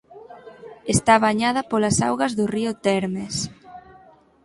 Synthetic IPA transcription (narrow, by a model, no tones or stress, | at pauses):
est̪aβaɲað̞ɐpolasawɣɐzðʊriʊt̪ɛɾmes